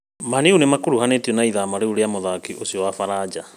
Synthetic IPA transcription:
maniunemakoɾuhanetiɔnaiðamaɾeuɾeamoðakiʔosiɔwafaɾad͡ʒa

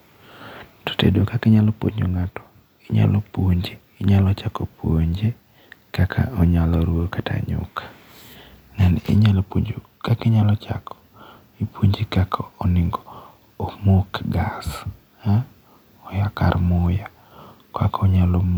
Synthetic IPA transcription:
to̥tḛdokakɪɲalɔpwo̰ɲoŋatɔ̥ | ɪɲa̰lɔpwoɲd͡ʒeːɲalɔt͡ʃakopʰwoɲd͡ʒe | kakʰa̰ɔɲalɔɾwokata̰ɲʊ̰kḁ | nɛnɪ̰ɲalpoo | kakɪɲalɔt͡ʃa̰kʰɔ̥ | ipʰoɲd͡ʒikakʰɔɔnɪŋɡɔː | mokɡas | ɔjaka̰rmʊja | ka̰kɔɲalɔ

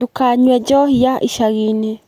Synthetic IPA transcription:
ukaɲwɛɟɔhijaʔiʃaɣine

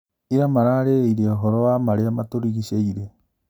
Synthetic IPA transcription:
iɾamaɾaɾeiɾeɔɦɔɾɔwamaɾeamatoɾiɣiɕeiɾe

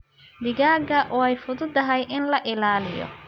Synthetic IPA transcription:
d̪ɪɣaːɡɐʔɔːɛjfʊðʊd̪ɐɦɛjʔɪnlɐʔɪlaːlɪjɔ̰

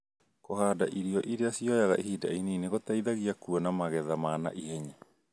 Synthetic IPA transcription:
kohaːdaʔiɾiɔʔiɾeasiɔjaɣa̰ʔehidaineːneɣotaiðaɣiakuɔnamaɣɛðamaːna̰ʔihɛɲa

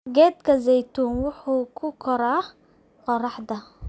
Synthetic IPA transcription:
ɡɛːd̪kʰɐzɛjt̪ʰuːnwʊħuːkʰʊkʰɔɾaː | qɔrɑħd̪ɐ

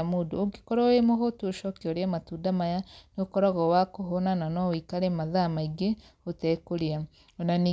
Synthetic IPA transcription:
modooɡikɔɾɔemoɣotuoʃɔkeoɾeamatudamajanokɔɾɔɣɔwakoɦonananɔwikaɾemaðamaiɡe | otɛkoɾea | onaniː

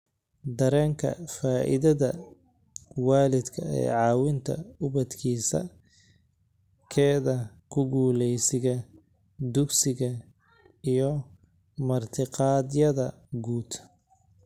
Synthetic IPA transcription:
d̪ɐɾɛːŋkʰɐ̰faːʔɪ̰ðɐðɐ | wɑːlɪd̪kʰɐɛ̰ːʕɑːwɪnt̪ʰɐ̰ʊβɐd̪kʰiːsɐ̰ | kʰɛːðɐkʰʊɡuːlɛjsɪɣɐ | d̪ʊɡsɪɣɐ | ijɞ | mɐrt̪ʰɪqɑːd̪jɐðɐ | ɡuːd̪

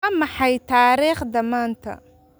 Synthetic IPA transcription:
ɐmɑħɑjt̪ʰaːɾiːχd̪ɐmaːnt̪ʰɐ̰

